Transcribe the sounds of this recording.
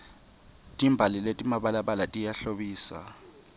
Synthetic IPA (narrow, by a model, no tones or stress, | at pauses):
tʼimbʱaliletʼimaɓalaɓalatʼijaɬoɓiːsa̰